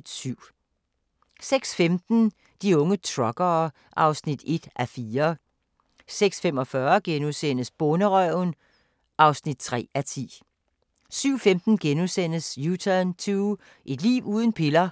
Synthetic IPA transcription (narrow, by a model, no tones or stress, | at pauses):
d̥syʊ̰ | seɡ̥sfemd̥n̩ | d̥iɔ̽ŋət͡sʰʁɒ̽ɡ̥ɐː | ʔɑ̈ʊsnid̥e̝d̥ʔæfiːɐ | seɡ̥sfemɒ̽fɶɐɡ̥enusen̰əsb̥ɔnəʁœʊn | ʔɑ̈ʊsnid̥̚t͡sʰʁɛ̰ːæt͡sʰḭː | syʊ̰femd̥n̩ɡ̥enusen̰əsjut͡sʰænt͡sʰuː | ʔe̝d̥lḭːʊuːð̞ˠn̩pʰe̝lɐ